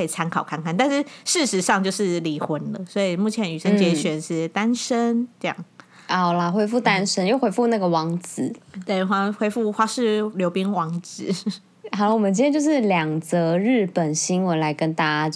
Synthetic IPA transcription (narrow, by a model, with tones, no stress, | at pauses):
i˨˩t͡sʰa˥˧nkʰɑ˨˩ʊkʰa˥˧nkʰa˥˨nt̪a˥˧nʂɻ̩˥˩ʂɻ̩˥˩ʂɻ̩˧˥ʂɑ˥˧ŋt͡ɕjo˥˧ʊʂɻ̩˥˩li˧˥xwə˧˥nlə˨swɔ˧˥i˨˩mu˥˩t͡ɕʰjɛ˧˥ny˨˩ʂə˥˧˥nt͡ɕjɛ˧˥ɕɥɛ˨˩nʂɻ̩˥˩t̪a˥nʂə˥nʈ͡ʂɤ˥˧jɑ̰˥˩ŋ | a˨˩ʊla˧xwe˥ɪfu˥˩t̪a˦nʂə˥njo˥˩ʊxwe˥ɪfu˥˧na˥˩ɡə˩wɑ˧˥ŋt͡sɹ̩˨˩˦t̪we˥˩ɪxwa˥˩xwe˥ɪfu˥˩xwa˥ʂɻ̩˥˩ljo˧˥ʊpi˥ŋwɑ˧˥ŋt͡sɹ̩˨˩˦ | xɑ˨˩˦wɔ˨mə˦t͡ɕi˥˩ɛ˥˩t͡ɕjo˥˧ʊʂɻ̩˥˩ljɑ˨˩ŋt͡sɤ˧˥ɻ̩˥˩pə˨˩nɕi˥ŋwə˧˦nla˧˦˥ɪkə˦nt̪a˥a˦